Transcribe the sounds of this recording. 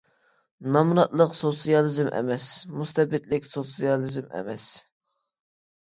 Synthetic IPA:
nɑmuɾɑt̪lˠəqsosijɑlˠɨzmʔɛ̰mɛsmust̪ɛbɪt̪lɪkʲsosijɑlˠɨzmɛ̰mɛs

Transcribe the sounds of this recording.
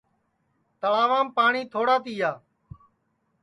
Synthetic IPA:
t̪əɭaːʋãːmpaːɳiːt̪ʰoːɽaːt̪iːjaː

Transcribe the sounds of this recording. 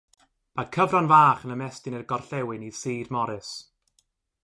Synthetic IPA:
m̥ḁkʰəvranvaːχənəmɛstɪnərɡɔrɬɛwɪnið̥siːdmɔɾɨs

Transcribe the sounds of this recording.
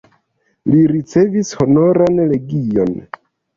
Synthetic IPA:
liɾit͡se̞visho̞no̞ɾanle̞ɡijo̞̰n

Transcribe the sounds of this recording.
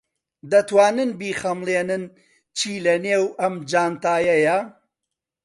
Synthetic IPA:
d̪ɐt̪waːnɨnbiːxɐmlˠeːnɨn | t͡ʃʰiːlɐneːwɐmd͡ʒaːnt̪aːjɐjɐ

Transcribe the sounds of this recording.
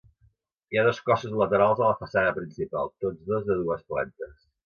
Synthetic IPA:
iaðoskɔsuzlət̪əɾalˠzələfəsanəpɾinsipa̰lˠt̪ozðozðəðuəsplɛ̰nt̪əs

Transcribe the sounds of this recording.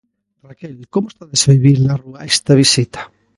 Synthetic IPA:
rakelkomoe̥st̪aðesβiβiɾlaruaest̪aβ̞isit̪ḁ

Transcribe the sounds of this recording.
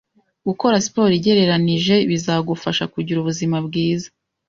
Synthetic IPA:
ɡuko̞ɾasi̥po̞ːɾiɟe̞ɾe̞ɾaniʒe̞βizaɡufaʃakuɟiɾuβuzimabɡiːzḁ

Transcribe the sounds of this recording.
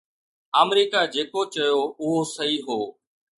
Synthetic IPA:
aːmɾiːkaːd͡ʒeːkot͡ʃɐjoːʊɦoːsəiːɦoː

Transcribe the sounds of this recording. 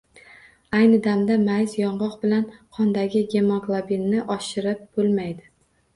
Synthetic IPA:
ajnɪd̪amd̪amajzjɒɴʁɒqbɪlanqʰɒnd̪aɡʲɪɡʲe̞moɡlˠabinːɪʔɒʃɪɾɪp̚b̥olˠmajd̪ɪ

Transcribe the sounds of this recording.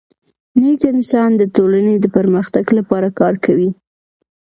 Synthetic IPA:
nekɪnsɑnd̪ət̪olaned̪əpəɾməxt̪aɡlapɑɾakɑɾkawi

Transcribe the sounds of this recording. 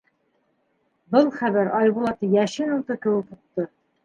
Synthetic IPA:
bɤlˠχæβæɾɑjbulˠɑt̪ɤjæʃɘnɤ̆lˠt̪ɤkɘ̆wɘkuq̚t̪ɤ

